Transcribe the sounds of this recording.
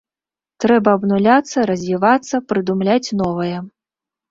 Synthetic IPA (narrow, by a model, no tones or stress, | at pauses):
t̪ɾɛbɐːbnulʲat̪sːɐɾɐzʲvʲivat̪sːɐpɾɨd̪umlʲat͡sʲnɔvɐjɐ